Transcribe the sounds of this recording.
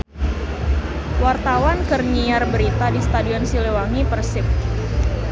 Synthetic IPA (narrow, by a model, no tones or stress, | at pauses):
wart̪awankərɲiarbəɾit̪adist̪adiɔnsilewaŋipərsɪp̚